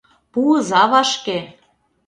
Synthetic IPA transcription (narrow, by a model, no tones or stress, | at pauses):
puɤzɑβɑʃke